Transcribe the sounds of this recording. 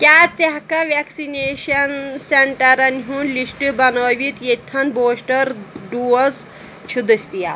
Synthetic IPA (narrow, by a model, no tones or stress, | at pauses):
kʲaːt͡seɦkɐʋeksineʃɐnseɳʈɐɾɐnɦunlisʈɨbɐnəːʋit̪jet̪ʰɐnboːsʈɐɾɖuːɐs | t͡ʃʰud̪ɨsʲt̪ija